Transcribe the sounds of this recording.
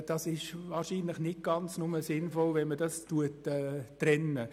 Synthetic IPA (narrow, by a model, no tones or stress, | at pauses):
d̥ɑsɪʃvɑːɾʃiːnlɪχnɪt̚ɡ̥ɑnt͡snʊməsɪnfɔlvɛnmədɑstuətɛːrɛnə